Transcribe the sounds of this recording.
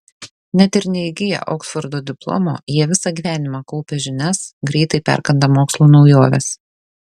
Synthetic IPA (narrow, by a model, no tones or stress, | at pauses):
nʲɛt̪ʲɪɾʲnʲɛɪɡʲɪjɛ̰ʔoːksfɔɾd̪oːd̪ʲɪplˠɔ̰mo̰ːjiɛʋʲɪsɑːɡʲiːʋʲæːnʲɪmɑkʊpʲɛʒʲɪnʲɛsɡɾʲɛɪt̪ɐɪpʲæ̰ɾkɐnd̪ɐmoːkslˠuːnɒʊjoːʋʲɛ̰s